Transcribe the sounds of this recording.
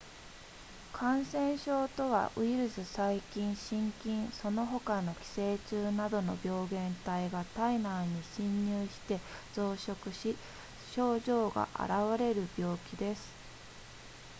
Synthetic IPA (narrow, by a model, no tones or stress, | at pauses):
kʰãɰ̃sẽ̞ɰ̃ɕo̞ːt̪o̞βa̰ʔɯ̟iɾɯ̟sɨsaikʲĩɰ̃ɕĩŋkʲĩɰ̃so̞no̞ɦo̞kano̞kʲi̥se̞ːt͡ɕɨːnad̪o̞no̞̰bʲo̞ːɡẽ̞nt̪aiɡat̪ainaɲ̟iɕĩɲːɨːɕi̥t̪e̞z̥o̞ːɕo̞kɯ̟ɕi | ɕo̞ːʑo̞ːɡa̰ʔa̰ɾaβaɾe̞ɾɯ̟bʲjo̞ːkʲid̪e̞sɨ̥